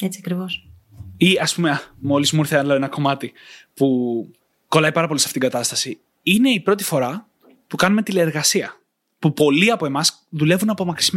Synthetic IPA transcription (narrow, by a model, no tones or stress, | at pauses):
et͡siɐkɾivos | iɐspumeɐmo̞lizmuiɾθelɐe̞nɐko̞mɐt̪ipu | ko̞lɐipɐɾɐpo̞lisɐ̥fit̪iɡɐt̪ɐst̪ɐsi | ine̞ipɾo̞t̪̬i̥fo̞ɾɐ | pukɐnume̞t̪ileeɾɣɐsiɐ | pupo̞liɐpo̞emɐs | ðule̞vunɐpo̞mɐksim